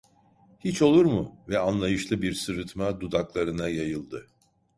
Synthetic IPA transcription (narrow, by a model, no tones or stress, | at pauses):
hit͡ʃo̞lˠuɾmuvɛanlˠajɯʃlˠɯbiɾsɯɾɯt̪ʰmad̪ud̪aklˠaɾɯnajajɯlˠd̪ɯ